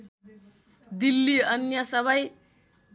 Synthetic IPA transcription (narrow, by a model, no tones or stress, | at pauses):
d̪ilːiʌnjʌsʌbʱʌj